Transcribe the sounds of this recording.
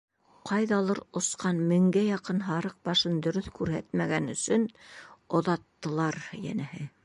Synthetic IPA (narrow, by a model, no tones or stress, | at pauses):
qɑjðɑlˠɤɾŏsqɑnmɘ̆ŋɡæjɑqɤnɦɑɾɤq̚bɑʃɤnd̪ɵ̆ɾɵθkʉɾhæt̪mæɡænɵ̆sɵnŏðɑt̪ːɤ̆lˠɑɾjæ̰næhɘ